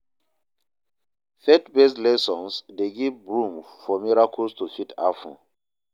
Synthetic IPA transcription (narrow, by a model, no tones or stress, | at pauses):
fɛtbeslɛsɔ̃nsdeɡivɹũmfɔmiɹakʰəlstufitʰa̰fɔ̰̃n